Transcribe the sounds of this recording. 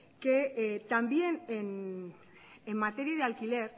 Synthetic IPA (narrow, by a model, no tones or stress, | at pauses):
ket̪ambjenen | emːat̪eɾiaðealkile̞ɾ